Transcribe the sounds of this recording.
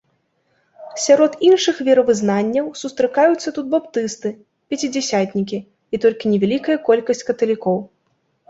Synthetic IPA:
sʲaɾɔt̪inʂɨxvʲɛɾɐvɨznanʲːɐwsust̪ɾɨkajut̪sːɐt̪ut̪̚bapt̪ɨst̪ɨ | pʲɛt͡sʲid͡zʲɛsʲat̪ʲnʲikʲi | it̪ɔlʲkʲinʲɛvʲalʲikɐjɐkɔlʲkɐsʲt͡sʲkɐt̪ɐlʲikɔw

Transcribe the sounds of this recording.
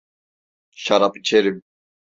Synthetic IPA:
ʃaɾapʼit͡ʃʰɛɾim

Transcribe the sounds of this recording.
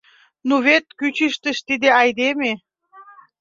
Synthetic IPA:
nuβet̪kyt͡ɕiʃt̪ə̆ʃt̪id̪eɑjd̪eme

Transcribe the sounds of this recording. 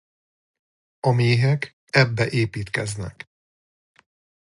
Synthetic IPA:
ɒmeːɦɛk | ɛbːɛʔeːpiːt̪kɛznɛ̰k

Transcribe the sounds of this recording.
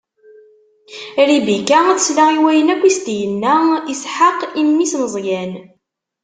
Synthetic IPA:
ɾibikæθə̥slaiwæjənækʷːist̪jənːæisħaqimːisnəzˤjæn

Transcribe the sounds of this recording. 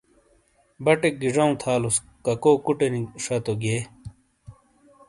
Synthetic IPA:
bɐʈeɡiʐɐũt̪ʰaːlus | kɐkoːkuʈeniʂɐt̪oɡeː

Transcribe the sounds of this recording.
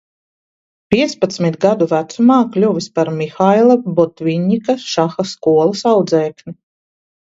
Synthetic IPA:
pʲiɛt̪spat̪smit̪ɡad̪uvæt̪sumɑːklʲuvʲispaɾmʲixajlˠabɔt̪vʲiɲikaʃaxaskuɔlˠɐsawd̪zɛːknʲi

